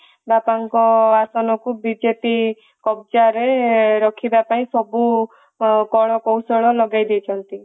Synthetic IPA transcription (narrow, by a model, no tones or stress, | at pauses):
bapaŋkɔasɔnɔkubid͡ʒepi | kɔb̚d͡ʒaɾeɾɔkʰibapaĩsɔbu | kɔɭ̃ɔkɔwsɔɭɔlɔɡajd̪et͡ʃʰɔnt̪i